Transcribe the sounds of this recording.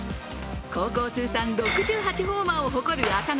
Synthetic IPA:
ko̞ːko̞ːt͡sɨːsãnɾo̞kɯ̟ʑɨːɦat͡ɕiɦoːmaoɦo̞ko̞ɾɯ̟akan

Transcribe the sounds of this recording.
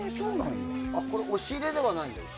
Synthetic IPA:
esoːna̰iako̞ɾeʔoɕiːɾe̞d̪e̞βanai

